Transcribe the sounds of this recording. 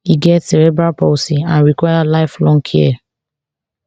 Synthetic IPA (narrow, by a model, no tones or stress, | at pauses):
iɡɛtsɛɾɛbɹaposiãnɹikwajalaɪflɔ̃ŋkʰiɛ